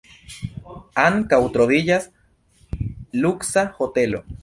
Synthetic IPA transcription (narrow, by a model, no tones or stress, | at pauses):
aŋkawt̪ɾoðijas | luksahot̪elo